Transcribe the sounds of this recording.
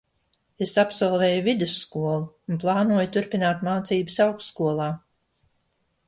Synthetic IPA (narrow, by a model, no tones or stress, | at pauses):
esapsɔlˠvɛːjuvid̪usːkuɔlˠuunplˠɑːnuɔjt̪uɾpinaːt̪maːt̪siːbɨsawksːkuɔlˠaː